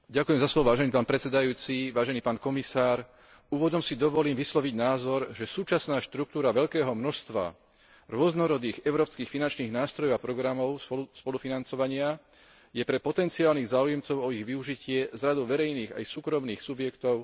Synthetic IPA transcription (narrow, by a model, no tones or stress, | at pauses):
ɟakujɛmzaslɔʋɔʋaːʒɛniːpaːnpɾɛt͡ssɛd̪ajuːt͡siʋaːʒɛniːpaːnkɔmisaːɾ | uːʋɔd̪ɔmsid̪ɔʋɔliːmʋislɔʋiɟnaːzɔɾʒɛsuːt͡ʃasnaːʃt̪ɾuk̚t̪uːɾaʋɛʎkɛːɦɔmnɔst̪ʋa̰ | ɾʊɔznɔɾɔd̪iːɣɛʊɾɔːpskiːxfinant͡ʃniːɣnaːst̪ɾɔjɔʊapɾɔɡɾamɔʊspɔlufinant͡sɔʋaɲɪa | jɛpɾɛpɔt̪ɛnt͡siaːlniːɣzaːujɛmt͡sɔʊɔiɣʋiuʒicɪɛzɾad̪ɔʊʋɛɾɛjniːɣa̰jsuːkɾɔmniːxsubjɛkt̪ɔʊ